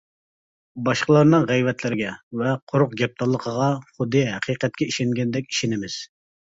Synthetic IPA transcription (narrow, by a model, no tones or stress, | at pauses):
bɑʃqəlˠɑɾnɨŋʁɛjvɛt̪ʰlɪɾɪɡʲɛvɛqʰoɾʊqɡʲɛp̚t̪ʰɑlˠːəqʰəʁɑχʊd̪ɨɦæqʰijqɛt̪̚kʲɛiʃɛŋɡʲɛnd̪ɛkʲi̥ʃinɪmɪz̥